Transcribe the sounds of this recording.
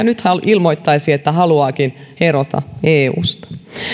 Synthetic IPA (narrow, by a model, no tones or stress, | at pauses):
ɑnyt̪hɑlilmoit̪ːɑisiet̪ːæhɑluɑːkinheɾot̪ɑ̰eːṵːst̪ɑ̥